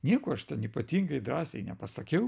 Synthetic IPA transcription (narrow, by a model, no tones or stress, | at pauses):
nʲiɛkoːɐʃt̪ʲɛnipɐt̪ʲiːŋɡɐɪd̪ɾɑːsʲɛɪnʲɛpɐsɐkʲɛʊ